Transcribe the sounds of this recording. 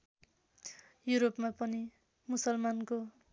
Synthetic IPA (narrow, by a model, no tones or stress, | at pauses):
juɾopmapʌni | musʌlmanko